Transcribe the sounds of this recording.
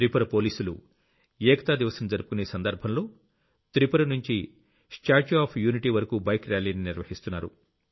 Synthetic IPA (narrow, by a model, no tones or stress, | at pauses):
t̪ɾipɐɾɐpo̞ːliːsulṵ | jɛːkɐt̪aːd̪iʋɐsɐmd͡ʒɐɾupu̥kuneːsɐnd̪ɐɾbʱɐnloː | t̪ɾipɐɾɐnuɲt͡ʃi | sʈaːɾt͡ʃaːpʰjuːniʈiːʋɐɾɐkuːbɐjkɾaːliːniniɾʋɐhist̪unːaːɾṵ